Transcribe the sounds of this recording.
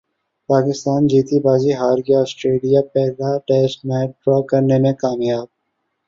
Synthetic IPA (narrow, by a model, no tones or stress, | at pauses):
paːkɪst̪aːnd͡ʒiːt̪ibaːziɦaːɾɡiɔːsʈɾeːlijapɛːlaʈɛːsʈmɛːʈ̚ɖɾɔːkɐɾnemẽkaːmjaːb̚